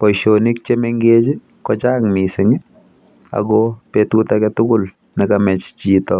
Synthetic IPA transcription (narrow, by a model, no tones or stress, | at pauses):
pɔjʃonik̚t͡ʃemeŋɡet͡ʃɪ | kɔt͡ʃakmisɪŋɪ | a̰ɡɔpetutakɛtʊkʊl | nɛkamɛt͡ʃt͡ʃitɔ